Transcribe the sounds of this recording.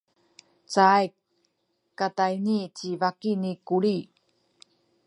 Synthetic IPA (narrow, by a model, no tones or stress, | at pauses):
t͡sajk | kːatajnit͡ɕivakinikuɭi